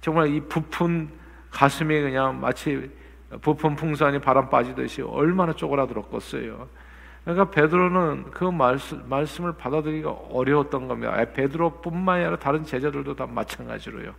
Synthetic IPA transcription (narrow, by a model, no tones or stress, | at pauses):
t͡ɕʌŋmaɭipupʰun | kasʰɯmikɯɲaŋma̰t͡ɕʰi | pupʰunpʰuŋs̬ʰaɲipaɾanp͈ad͡ʑidɯ̰ɕʰḭʌ̰ɭmanat͡ɕ͈oɡɯɾadɯɾʌk͈̚ʌs͈ʌ̰jo̰ | kɯɲik͈ape̞dɯɾonɯnkɯmas͈maɭs͈ɯmɯɭpadadɯɡiɡa̰ʌɾjʌwʌt̚t͈ʌnɡʌmida̰ʔa̰pe̞dɯɾop͈unmanaɾataɾɯnt͡ɕe̞d͡ʑedɯɭdotamːa̰t͡ɕʰanɡa̰d͡ʑiɾo̰jo̰